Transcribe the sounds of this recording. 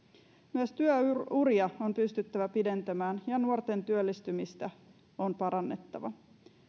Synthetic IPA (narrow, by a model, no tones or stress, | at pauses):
myæst̪yøurjɑompyst̪yt̪ːæʋæpide̞nt̪æmæːnjɑnuort̪e̞nt̪yølːist̪ymist̪æ | o̞npɑɾɑnːe̞t̪ːɑʋɑ̰